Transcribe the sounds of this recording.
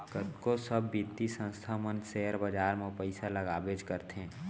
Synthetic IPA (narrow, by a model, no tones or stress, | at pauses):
kət̪kosəbːit̪isə̃nst̪ʰamənseɦəɾbəd͡ʒaːɾmẽpəɪsaləɡaːbed͡ʒkəɾt̪eɦɛ̃